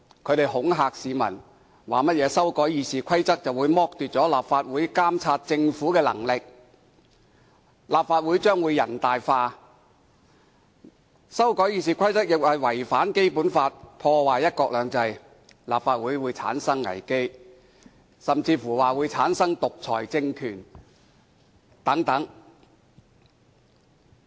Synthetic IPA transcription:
kʰɵ˨˧ɥɾe˨jɦʊ˨˥ŋɦaː˨k̚siː˨˧mɐ̰˨˩n | waː˨˩mɐ˥t̚jɛː˨˧sɐ˥wkɔː˨˥jiː˨˧siː˨˩kʰɐ˥jt͡sɐ˥k̚t͡sɐ˨wuː˨˧jmɔː˥k̚t̪yː˨t̚t͡sɔː˨˥laː˨p̚faː˧t̚wuː˨˥jkaː˥mt͡sʰaː˧t̚t͡sɪ˧ŋfuː˨˥kɛː˧lɐ̰˨˩ŋlɪ˨k̚ | laː˨p̚faː˧t̚wu˨˥jt͡ʃœː˥ŋwuː˨˧jɐ̰˨˩nt̪aː˨jfaː˧ | sɐ˥wkɔː˨˥jiː˨˧siː˨kʰɐ˥jt͡sɐ˥t̚jɪ˨k̚hɐ˨jwɐ˨˩jfaː˨˥nke˥jpuː˨˥nfaː˧t̚pʰɔː˧waː˨jɐ˥t̚kɔː˧k̚lœː˨˧ŋt͡sɐ˧j | laː˨p̚faː˧t̚wuː˨˥jwuː˨˧jt͡sʰa̰ː˨˥nsɐ˥ŋːɐ̰˨˩jke˥j | sɐ˨mt͡siː˧fuː˨˩waː˨˩wuː˨˧jt͡sʰaː˨˥nsɐ˥ŋt̪ʊ˨k̚t͡sʰɔ̰ː˨˩jt͡sɪ˧ŋkʰyː˨˩n | t̪ɐ˨˥ŋt̪ɐ˨˥ŋ

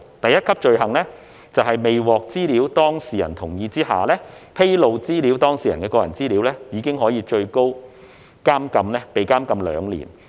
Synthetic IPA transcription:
t̪ɐ˨jɐ˥t̚kʰɐ˥p̚t͡ʃɵ˧ɥɦɐ˨˩ŋlɛː˥ | t͡sɐ˨wɦɐ˨jme˨jwɔː˨k̚t͡siː˥liː˨˥wt̪ɔː˥ŋsiː˨˩jɐ̰˨˩nt̪ʰʊ˨˩ŋjiː˧t͡siː˥ha̰ː˨lɛː˥ | pʰe˥jlo˨˧wt͡siː˥li˨˥wt̪ɔː˥ŋsiː˨jɐ˨˩nkɛː˧kɔː˧jɐ̰˨˩nt͡siː˥liː˨˥wlɛː˥jiː˨˧kɪ˥ŋɦɔː˨˥jiː˧t͡ʃɵ˧ɥko˥w | kaː˥mkɐ˧mnɛː˥pe˨jkaː˥mkɐ˧mlœː˨˧ŋlḭː˨˩n

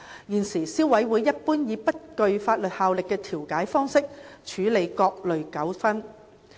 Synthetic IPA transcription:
jiː˨˩nsiː˨˩siː˥wɐ˨˥jwuː˨˧jːɐ˥t̚puː˥njiː˨˧pɐ˥t̚kɵ˨˧ɥfaː˧t̚lɵ˨t̚haː˨˧wlɪ˨kːɛː˧t̪ʰiː˨˩wkaː˨˥jfɔː˥ŋsɪ˥k̚t͡ʃʰyː˨˥le˨˧jkɔː˧k̚lɵ˨ɥkɐ˨˥wfɐ˥n

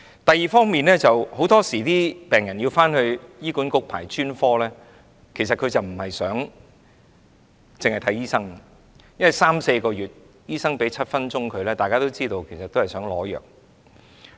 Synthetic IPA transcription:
t̪ɐ˨jiː˨˩fɔː˥ŋmiː˨nlɛː˥t͡sɐ˨who˨˥wt̪ɔː˥siː˨˩t̪iː˥pɛː˨˩ŋjɐ˨˩njiː˧wfaː˥nhɵ˧ɥjiː˥kuː˨˥nkʊ˥k̚pʰa̰ː˨˩jt͡ʃyː˥nfɔː˥lɛː˥ | kʰe˨˩jsɐ˨t̚kʰɵ˨˧ɥt͡sɐ˨wm̩˨˩hɐ˨jsœː˨˥ŋ | t͡sɪ˨ŋhɐ˨jt̪ʰɐ˨˥jiː˥sɐ˥ŋ | jɐ˥nwɐ˨jsaː˥mse˧jkɔː˧jyː˨t̚ | jiː˥sɐ˥ŋpe˨˥jt͡sʰɐ˥t̚fɐ˥nt͡sʊ˥ŋkʰɵ˨˧ɥlɛː˥t̪aː˨kaː˥t̪o˥wt͡siː˥t̪o˧wkʰe˨˩jsɐ˨t̪o˥hɐ˨jsœː˨˥ŋlɔː˨˥jœ̰ː˨k̚

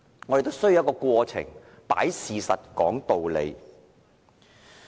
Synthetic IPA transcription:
ŋɔ˨˧ɾe˨˩t̪o˥sɵ˥ju˧wjkɔː˧kwɔː˧t͡sʰɪ̰˨˩ŋ | pa̰ː˨˥jsiː˨sɐ˨t̚kɔː˨˥ŋt̪o˨wlḛ˨˧j

